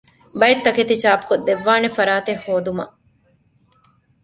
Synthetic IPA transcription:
bɐjet̪ːɐket̪it͡ʃaːpu̥kod̪ːeʋːaːnefɐɾaːt̪ehːoːd̪umɐ̰ʔ

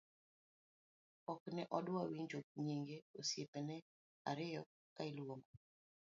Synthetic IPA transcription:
ɔknɛʔɔdwawiɲd͡ʒok̚ɲiŋɡeosjepenɛ | a̰ɾɪjɔ | kailwoŋo

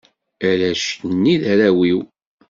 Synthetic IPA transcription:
æɾæʃnːiðæɾæwiw

